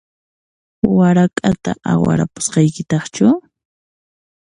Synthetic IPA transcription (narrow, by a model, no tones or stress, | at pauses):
waɾakʼat̪aʔawa̰ɾa̰pʊ̥sqɑjkɪt̪ɑχt͡ʃʊ